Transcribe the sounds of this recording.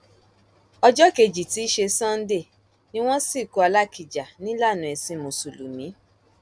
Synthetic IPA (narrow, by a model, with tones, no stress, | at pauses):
ɔ˧d͡ʒɔ˦ke˧d͡ʒi˨ti˨˦ʃe˧sã˦n̩˦de˦˨ | nĩ˦w̃ɔ̃˦si˦˨ku˧˦a˧la˦ki˨d͡ʒa˨nĩ˦la˦˨nũ˨˦ɛ˧sĩ˨˦mo˨su˨lu˨mĩ˨˦